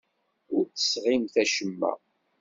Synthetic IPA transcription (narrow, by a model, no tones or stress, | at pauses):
ʊɾt͡sːə̥sʁimθæʃəmːæ̰